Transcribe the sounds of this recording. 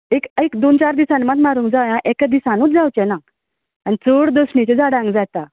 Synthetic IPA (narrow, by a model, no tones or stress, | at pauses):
ekekd̪ont͡ɕaɾd̪isãnmat̪maɾũŋkd͡zawjãʔekad̪isãnuːt͡s̪d͡zawt͡ɕɛ̃na | anit͡soɽd̪osɳit͡ɕed͡zaɽãŋɡd͡zat̪a